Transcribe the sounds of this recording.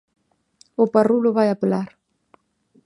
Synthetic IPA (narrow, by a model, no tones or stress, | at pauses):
ʊparulʊβajapelaɾ